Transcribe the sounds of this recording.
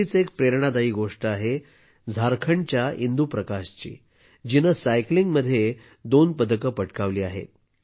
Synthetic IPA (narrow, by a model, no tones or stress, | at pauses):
it͡sekpɾeɾɳ̃ad̪aiːɡoʂʈəaɦe | d͡zʱaɾkʰəɳt͡ɕjaind̪upɾəkaɕt͡ɕḭː | d͡ʑinəsajkliŋɡməd̪ʱːje | d̪onpəd̪ʱəkəpəʈkaʋliːaɦḛt̪̚